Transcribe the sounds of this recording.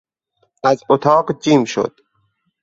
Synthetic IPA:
æzot̪ʰɑːqd͡ʒiːmʃo̰d̪̥

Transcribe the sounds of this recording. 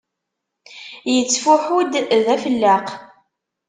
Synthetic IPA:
jət͡sːfʊħud̪ðæfəlːəq

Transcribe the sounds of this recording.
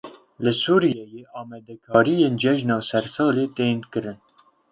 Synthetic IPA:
lɨsuːɾijɛjeːɑːmɛd̪ɛkʰɑːɾijeːnd͡ʒɛʒnɑːsɛɾsɑːleːt̪eːnkɨɾɨn

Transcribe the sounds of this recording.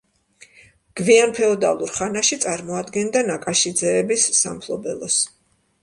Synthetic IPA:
ɡ̥vianpʰɛɔd̪a̰lˠuɾχanaʃit̪sʼaɾmɔad̪ɡɛnd̪anakʼaʃid̪zɛːbisːampʰlˠɔbɛlˠɔs

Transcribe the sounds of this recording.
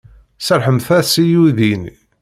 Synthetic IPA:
səɾħəmθæsijuðin

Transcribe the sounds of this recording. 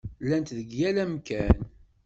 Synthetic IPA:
lːænt̪ðəɡjælæmkæn

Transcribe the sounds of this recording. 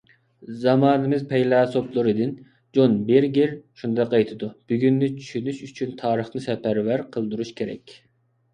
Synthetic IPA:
zɑmɑːnɨmɨzpʰɛjlˠɑːsoplˠɨɾɨd̪ɪn | d͡ʒonbeɾɡʲiɾʃund̪ɑqɑjt̪ʰɨd̪ub̥yɡʲynːɪt͡ʃʰy̥ʃynyʃyt͡ʃʰynt̪ʰɑːɾəχnɨsɛpæɾvæɾqʰəlˠd̪uɾuʃkʲʰeɾɛ̰kʲ

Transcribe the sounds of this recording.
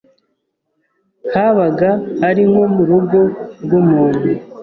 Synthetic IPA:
haβaɡahaɾiŋomuɾuɡo̞ɾɡomuːnde

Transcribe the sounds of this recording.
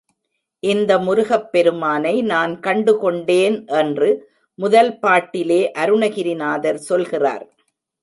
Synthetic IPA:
ʔɪnd̪ɐmʊɾʊɣɐpːɛɾɯmaːnɐɪnaːnkɐɳɖɯkɔɳɖeːnʔɛndrɯ | mʊðɐlpaːʈːɪleːʔɐɾɯɳɐɣɪɾɪnaːðɐɾsɔlɣɪra̰ːɾ

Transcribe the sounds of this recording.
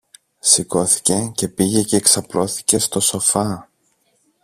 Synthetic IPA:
siko̞θi̥ce̞ce̞piʝe̞ceːksɐplo̞θi̥ce̞st̪o̞so̞fɐ

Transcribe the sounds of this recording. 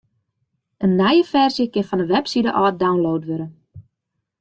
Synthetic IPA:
ʔənːɛjəfɛrzjəkɪnfɔnəʋɛpsidə̰ʔɔːt̚dawnlowtʋøɾən

